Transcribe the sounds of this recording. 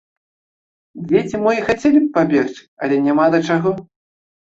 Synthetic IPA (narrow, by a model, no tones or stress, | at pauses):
d͡zʲet͡sʲimɔjixat͡sʲelʲipːabʲext͡sʲɐlʲɛnʲamad̪ɐt͡ʂaɣɔ